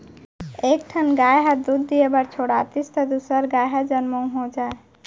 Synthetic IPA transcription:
eːk̚ʈʰənɡaːjɦad̪ud̪ːijebəɾt͡ʃʰoːɽaːt̪ist̪ɐd̪usəɾɡaːjɦad͡ʒənmõɦod͡ʒaːe

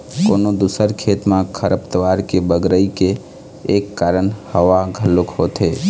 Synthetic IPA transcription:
koːnod̪usəɾkʰeːt̪mãkʰəɾəpt̪əʋaːɾkebəɡɾəikeː | kːaːɾəɳhəʋaɡʱəlʊkhoːt̪ɦeː

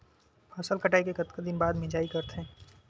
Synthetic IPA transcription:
pʰɔːsəlkəʈaːikekət̪kəd̪ɪnbaːd̪mɪ̃d͡ʒaːikɐɾt̪ɦẽː

